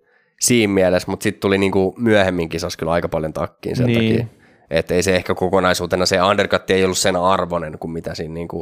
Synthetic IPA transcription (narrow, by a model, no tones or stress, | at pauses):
siːmmiælesmut̪sit̪t̪uliniːŋkumyæhemːiŋkisɑskylɑikɑpɑljont̪ɑ̰kːḭːnsḛnɑkḭː | et̪ːeiseehkækokonɑisuːt̪enɑseɑnderkɑt̪ːieijolːussenɑrʋonenkummit̪æsiːnniːŋku